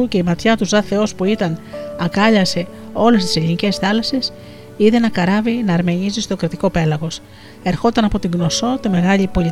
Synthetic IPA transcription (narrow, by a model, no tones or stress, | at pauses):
uce̞imɐt̪çɐt̪uzðɐθe̞o̞spuit̪ɐnɐkɐʎɐse̞ | o̞lest̪i̥se̞ʎinice̞sθɐlɐses | iðe̞nɐkɐɾɐvinɐːɾme̞ɲizist̪o̞kɾit̪iko̞pe̞lɐɣo̞s | e̞ɾxo̞t̪ɐnɐpo̞t̪iŋɡno̞so̞t̪ime̞ɣɐʎipo̞li